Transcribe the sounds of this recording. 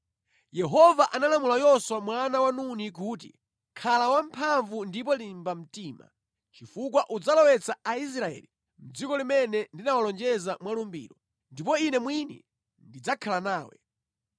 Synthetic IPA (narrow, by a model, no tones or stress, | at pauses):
jɛɦɔvaʔanalamulajɔswamwanawanunik̬uːt̬ḭ | kʰalawampʰaɱvundip̬ɔlimbam̩tiːma̰ | t͡ʃifuk̬waʔud͡zalɔwɛt͡saais̬ɾaɛ̰ːli | m̩d͡zikɔlimɛnɛndinawalɔnd͡ʒɛzamwalumbḭːɾɔ | ndipɔinɛmwinɛ̰ | ndid͡zakʰalanaːwɛ̰